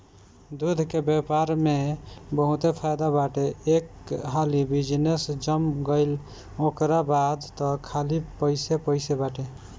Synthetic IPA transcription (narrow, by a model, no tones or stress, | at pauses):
d̪ud̪ʱkebepaɾmebəɦut̪epʰajd̪abaʈeekɦalibid͡ʒnesd͡ʒəmɡəɪl | okɾabad̪t̪ɔkʰalipəɪsepəɪsebaʈe